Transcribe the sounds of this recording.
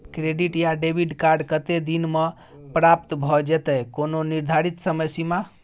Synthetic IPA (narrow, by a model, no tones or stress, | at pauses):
kɾeɖiʈjaɖebʱiɖkaɾɖkət̪ed̪inme | pɾapt̪bʱɔd͡ʒɛt̪ɛjkononiɾd̪ʱaɾit̪səməsima